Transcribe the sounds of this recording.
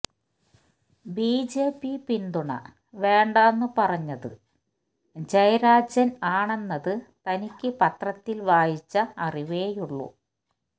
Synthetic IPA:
biːd͡ʑe̞ːpːipind̪uɳɐ̰ | ʋe̞ːɳɖaːnːɨpɐrɐɲːɐðɨ̰ | d͡ʑɐjɐɾaːd͡ʑɐnaːɳe̞nːɐðɨt̪ɐnikʲːɨpɐt̪rɐt̪ːilʋaːjit͡ɕːɐːriʋeːjuɭːṵ

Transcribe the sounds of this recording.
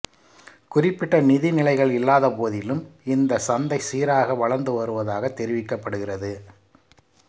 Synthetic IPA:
kʊrɪpːɪʈːɐnɪðɪnɪlɐɪɣɐɭɪlːaːðɐpoːðɪlɯmɪnd̪ɐsɐnd̪ɐɪsiːɾaːɣɐʋɐɭɐɾnd̪ɯʋɐɾɯʋɐðaːɣɐt̪ːɛɾɪʋɪkːɐpːɐɽɯɣɪrɐðɯ

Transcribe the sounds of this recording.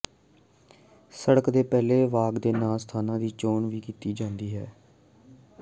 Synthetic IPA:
səɽəkd̪eːpɛːleːʋaːɡd̪eːnaːlst̪ʰaːnãːd̪iːt͡ʃoːɳʋiːkiːt̪iːd͡ʒãːnd̪iːɦɛː

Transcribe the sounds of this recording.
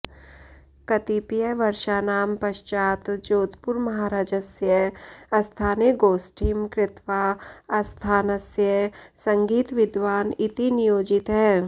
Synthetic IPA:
kɐt̪ipjəʋɐɾʃaːnaːmpɐʃt͡ʃaːt̪d͡ʒoːt̪pʊɾmɐɦaːɾaːd͡ʒəsjəɐst̪ʰaːneɡoːsʈʰimkɾɪt̪ʋaɐst̪ʰaːnəsjəsɐ̃ŋɡiːt̪ʋɪd̪ʋaːnɪt̪inɪjoːd͡ʒɪt̪ɦɛː

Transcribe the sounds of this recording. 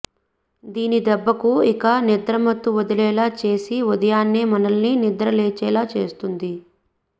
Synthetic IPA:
d̪iːnid̪ɛbːɐkuikɐnid̪ɾɐmɐt̪ːuʋɔd̪ɐlɛːlaːt͡ʃe̞ːsiud̪ɐjaːnːeːmɐnɐlninid̪ɾɐleːt͡ʃɛːlaːt͡ʃe̞̰ːst̪und̪i

